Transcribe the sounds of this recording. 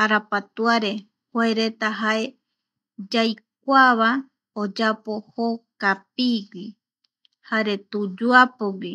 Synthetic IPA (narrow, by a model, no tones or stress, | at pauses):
aɾapat̪uaɾe̞ | hoaeɾe̞t̪aɦae | d͡ʒajk̚ʷaβa | od͡ʒapo̞hokap̚iɡʷi | haɾe̞t̪ud͡ʒuapoɡi